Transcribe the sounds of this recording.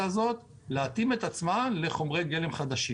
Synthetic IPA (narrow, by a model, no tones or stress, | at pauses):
azo̞t̪ | leat̪ime̞t̪at͡smanle̞χo̞mʁe̞jɡe̞le̞mχad̪aʃi